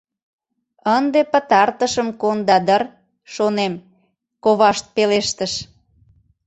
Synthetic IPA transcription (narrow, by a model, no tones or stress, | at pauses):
ənd̪epə̆t̪ɑrt̪əʃəmkond̪ɑd̪ər | ʃonem | koβɑʃt̪̚peleʃt̪əʃ